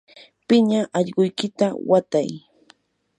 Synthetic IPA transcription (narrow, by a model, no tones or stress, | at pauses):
pɪɲaʔɑʎɢʊjkɪt̪awat̪aj